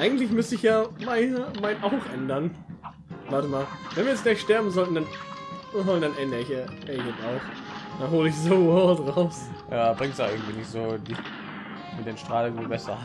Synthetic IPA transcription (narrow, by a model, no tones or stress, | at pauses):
ʔaɪɡŋ̩tlɪçmʏstəɪçjaːmaɪnmaɪnʔaʊxʔɛndɐn | vaɐtəmaːlvɛnviːjɛt͡std̥ɛʃtɛɐbm̩zɔltn̩dan | danʔɛndəɪçaɛɪçɛnaʊx | d̥anɦoːlɪçzovɔdʁaʊsjaːbʁɪŋtsjaːʔɪɐɡŋ̩tv̥iːnɪçtz̥oːdi | mɪdeːnʃtʁ̥aːləiːbɛsɐ̰